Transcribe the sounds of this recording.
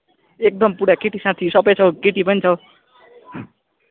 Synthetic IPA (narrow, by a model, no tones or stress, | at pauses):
ek̚d̪ʌmpuɽakeʈisãt̪ʰisʌbʌjt͡sʰʌwkeʈipʌnit͡sʰʌw